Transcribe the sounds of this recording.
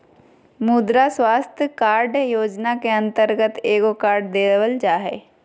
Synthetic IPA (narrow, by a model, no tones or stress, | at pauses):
mud̪ɾaswaːst̪ʰjəkaːɾɖjoːd͡ʒnakeə̃nt̪əɾɡət̪eːɡokaːɾɖd̪eːʋəld͡ʒaːɦɛː